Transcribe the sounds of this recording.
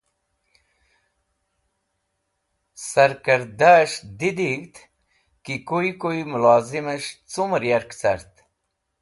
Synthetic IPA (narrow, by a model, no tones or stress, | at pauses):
sɐɾkəɾd̪aʂd̪id̪iɡt̪ | kikojkoimʊlɑːziməʂt͡sumɾjaɾkt͡sa̰ɾt̪